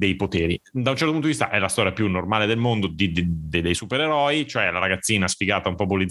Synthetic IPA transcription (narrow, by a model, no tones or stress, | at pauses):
d̪ejpot̪eːɾid̪aunt͡ʃɛrt̪oput̪od̪ivist̪a̰ʔɛlast̪ɔːɾjapjunːormaːled̪elmond̪od̪id̪d̪ed̪ejsupeɾeɾɔit͡ʃoɛlaɾaɡat̪sːiːnasfiɡaːt̪aumpɔbolid̪